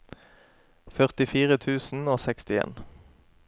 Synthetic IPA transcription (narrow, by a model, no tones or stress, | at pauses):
fœʁt̪ɪfiːʁət̪ʰʉːsn̩oːsɛkst̪ɪḛːn